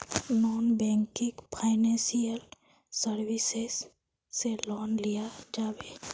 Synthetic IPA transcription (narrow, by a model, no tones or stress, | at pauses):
nɔːnbɛ̃ŋkikpʰaɪnɛ̃nsijəl | səɾwisesː | elɔːnlijad͡ʒaːbe